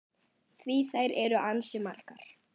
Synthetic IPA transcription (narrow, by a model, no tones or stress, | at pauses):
θviθaːjɾɛɾʏʔansɪmar̥kaɾ̥